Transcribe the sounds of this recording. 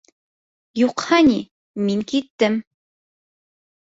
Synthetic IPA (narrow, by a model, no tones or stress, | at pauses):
juqhɑni | miŋkit̪ːɘm